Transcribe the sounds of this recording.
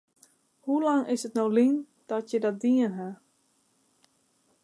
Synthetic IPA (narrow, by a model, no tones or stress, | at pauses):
hulaŋɪsətnowlin | d̥ɔtjədɔt̚diənɦa